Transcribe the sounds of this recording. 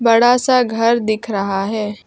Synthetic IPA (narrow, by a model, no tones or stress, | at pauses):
bɐɽasaɡʱɐɾd̪ɪkʰɾɐɦaɦɛː